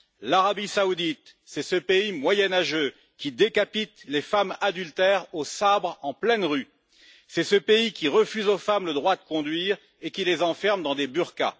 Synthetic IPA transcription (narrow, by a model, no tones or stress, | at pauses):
laʁabisaud̪it̪sɛsəpeimwajɛnaʒø | kʲid̪ekapit̪lefamad̪ylt̪ɛʁosabʁɑ̃plɛnʁy | sɛsəpeikʲiʁəfyzofamləd̪ʁwad̪əkɔ̃d̪ɥiːʁ | ekʲilezɑ̃fɛʁmd̪ɑ̃d̪ebyʁka̰